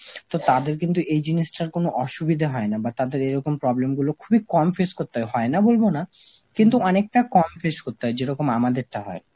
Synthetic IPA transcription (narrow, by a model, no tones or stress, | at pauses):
t̪ot̪ad̪eɾk̬int̪̬uʔejd͡ʑiniʃʈaɾkonoʔɔʃubid̪ʱaɦɔenabat̪ad̪eɾeɾɔkompɾɔblemɡulokʰubikɔmfeʃkoɾt̪ːeɦɔjɦɔenabolbona | kint̪uɔnek̚ʈakɔmfeʃkot̪ːeɦɔed͡ʑeɾɔkomamad̪eɾʈaɦɔ̰e